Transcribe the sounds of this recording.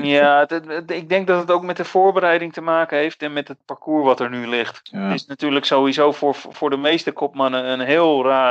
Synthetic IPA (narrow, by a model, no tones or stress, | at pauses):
jatɪɡ̚dɛŋk̚dɔtətowkmɛtdəfoːɹbərɛjdɪŋtəmaːkənɦejftɛnmɛtət̚paɹkuːɹʋɔtəɹnylɪxttɪsnatyːɹləksowʋizoːfɹfʊːɹdəmejstəkʰɔpmanəənɦɪːlˠraː